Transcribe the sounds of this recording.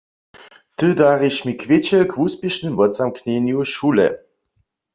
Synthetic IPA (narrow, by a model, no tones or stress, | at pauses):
t̪ɨdaʁiʃmikʰʋɪt͡ɕɛkʰuspjeʃnɨmvɔt͡samknenjuʃulɛ̰